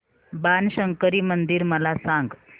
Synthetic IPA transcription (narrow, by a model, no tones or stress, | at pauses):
banɕəŋkəɾiːmənd̪iːɾməlasaŋɡ